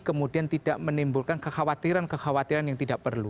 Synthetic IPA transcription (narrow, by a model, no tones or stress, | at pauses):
kəmudiant̪id̥aʔmənimbulkankəxawat̪iɾankəxawat̪iɾanjaŋt̪idaʔpərlu